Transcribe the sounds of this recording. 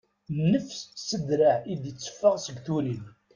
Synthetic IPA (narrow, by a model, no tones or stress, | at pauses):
nːəfssəd̪ɾaʕid̪jət͡sːə̥fːəʁsəɡθuɾin